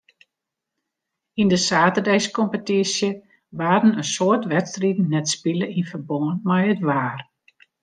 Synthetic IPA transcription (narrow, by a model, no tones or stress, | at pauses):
indəsaːtərdɛjskɔmpətisjə | ʋaːɾənənsoətʋɛtstridn̩nɛtspiləʔinfərboŋənmɛjətʋaːr